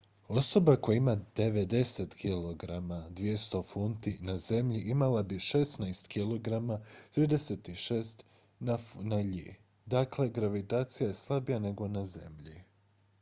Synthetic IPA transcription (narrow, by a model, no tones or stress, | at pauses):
o̞so̞bako̞jaimad̪̥e̞ʋed̪e̞set̪kʰilo̞ɡɾamad̪ʋije̞st̪o̞funt̪inaze̞mʎiʔimalabiʃesnajst̪kilˠo̞ɡɾamat̪ɾiːd̪e̞set̪iʃe̞ːst̪ | nafnaʎḭː | d̪akle̞ɡɾaʋit̪aːt̪sijaje̞slˠabijane̞ɡo̞naze̞̰mʎi